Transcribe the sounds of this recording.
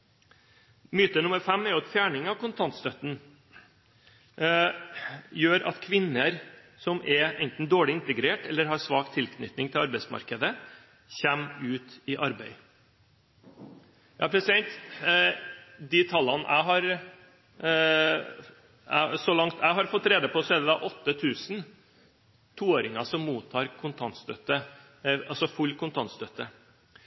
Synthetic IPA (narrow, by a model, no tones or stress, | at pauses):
myːt̪ənʊmːəɾfɛmːɛɾɔt̪fjæːɳɪŋɑʋkʊnt̪ʰɑnt̪st̪œt̪n̩ | jøːɾʔɑ̰t̪kʰʋɪnːəɾ | sɔmʔɛɛnt̪n̩d̪oːɭɪɪnt̪əɡɾeːʈɛlːəɾɦɑɾsʋɑːkt̪ʰɪlkʰnʏ̰t̪nɪŋt̪ʰɪlɑɾbɛɪsmɑ̰ɾkəd̪ə | çæmʉːt̪ɪʔɑɾbæɪ | jʔɑ̰ːpʰɾɛsɪd̪ɛnt̪ | d̪it̪ʰɑlːɑnʔæ̰ɪɦɑɾ | æsɔlɑŋt̪ʰæɪɦɑɾfɔt̪ːɾeːd̪əpʰɔseːd̪əd̪ɑʔɔt̪ːət̪ʰʉːsn̩ | t̪ʰuːoːɾɪŋɑsɔmːuːt̪ʰːɑːɾkʰʊnt̪ʰɑnt̪st̪œt̪ːə | ɑlsɔfʉlːkʰʊnt̪ʰɑnst̪œt̪ːə